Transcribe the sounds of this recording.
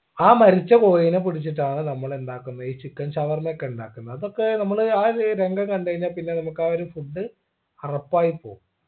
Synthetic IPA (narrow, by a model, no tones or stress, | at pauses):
aːmɐɾit͡ɕːɐpoːjinep̬iɽit͡ɕːiʈːaːɳɨnɐmːɐɭe̞nd̪aːkːunːɐiːt͡ɕːikːɐnɕɐʋɐrmɐokːe̞uɳɖa̰ːkːunːɐɐðokːe̞nɐmːɐɭaːɾɾeŋɡɐŋkɐɳɖajiɲːaːlpinːe̞nɐmukːaːoɾufuɖːɨ | ɐrɐpːaːjipːo̞̰ːɣum